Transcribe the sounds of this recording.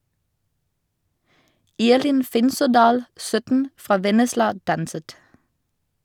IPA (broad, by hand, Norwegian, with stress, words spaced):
ˈiːʁlɪn ˈfɪnsɔˌdɑːl ˈsœtn̩ ˈfʁɑː ˈʋɛnəslɑ ˈdɑnsət